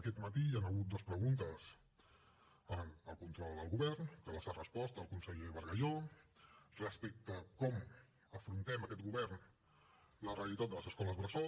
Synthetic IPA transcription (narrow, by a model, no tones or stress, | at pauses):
əkɛt̪mət̪ianəɣ̞ut̪̚d̪ospɾəɣunt̪əs | ənəlˠkunt̪ɾɔlˠd̪əlˠɣuβɛɾnkələsarəspɔst̪əlˠkunsəʎeβəɾɣəʎo | rəspɛk̚t̪əkɔm | əfɾunt̪ɛməkɛt̪̚ɡuβɛɾn | ləreəlit̪at̪̚d̪ələzəskɔləzβɾəsɔ